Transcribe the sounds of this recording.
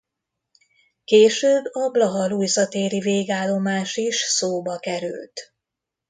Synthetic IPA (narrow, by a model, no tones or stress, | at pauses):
keːʃøːbːɒblɒɦɒlujzɒt̪eːɾiveːɡaːlːo̞maːʃiʃsoːbɒkɛɾy̰lt̪